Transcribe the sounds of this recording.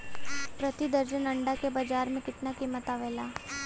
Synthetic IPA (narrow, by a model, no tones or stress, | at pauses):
pɾɐt̪id̪əɾd͡ʒənɐɳɖakebad͡ʒaːɾmẽkɪt̪nakiːmət̪aʋeːlaː